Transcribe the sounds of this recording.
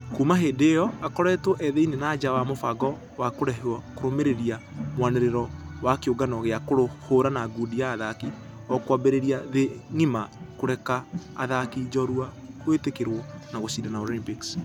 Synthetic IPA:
kuːmaɦeːdejɔakɔɾɛtwɔʔɛðeinenaːd͡ʒawamofaɡɔ | wakoɾɛɦɔkoɾomeɾeɾia | mwaneɾeɾɔwakeoɡanɔɣeakoɾohoɾanaɡudijaːðaki | ɔkwabeɾeɾiaðeŋimakoɾɛka̰ːðakid͡ʒɔɾuakwetekeɾwɔnaɣosiːdanaolimpiks

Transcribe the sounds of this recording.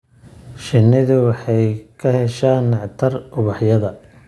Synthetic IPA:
ʃɪnːɪðʊwɑħɑjkʰɐhɛʃaːnːɑʕt̪ʰɐrʊβɑħjɐðɐ

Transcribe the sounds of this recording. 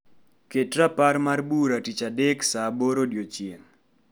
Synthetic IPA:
ketraparmarbuɾatit͡ʃadeksaboɾodjot͡ʃjeŋ

